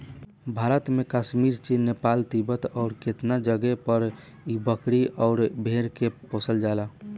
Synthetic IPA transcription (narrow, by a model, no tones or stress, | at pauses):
bʱaɾət̪mekaʃmiɾt͡ʃinːepalt̪ibət̪ɔʊɾket̪nad͡ʒəɡɛpəɾ | ibəkɽiʔɔʊɾbʱeɾkeposəld͡ʒala